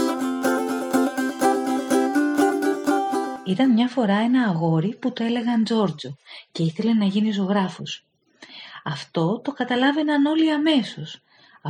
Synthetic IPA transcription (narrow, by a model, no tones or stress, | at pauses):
it̪ɐnmɲɐfo̞ɾɐe̞nɐːɣo̞ɾiput̪oe̞le̞ɣɐnd͡zo̞ɾd͡zoce̞iθe̞le̞nɐʝiniso̞ɣɾɐfus | ɐft̪o̞t̪o̞kɐt̪ɐlɐve̞nɐno̞liɐme̞so̞s | ɐ